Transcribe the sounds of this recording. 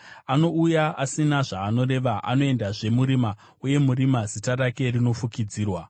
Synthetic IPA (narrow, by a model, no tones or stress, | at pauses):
ano̞ujaʔasinaʐaːno̞ɾe̞ʋaʔa̰no̞e̞ndaʐe̞muɾima | uje̞muɾimazitaɾake̞rino̞fukid͡ziːrwa